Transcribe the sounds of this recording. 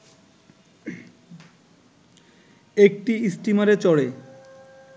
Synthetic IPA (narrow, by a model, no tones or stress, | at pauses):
ek̚ʈiisʈimaɾet͡ɕɔɽe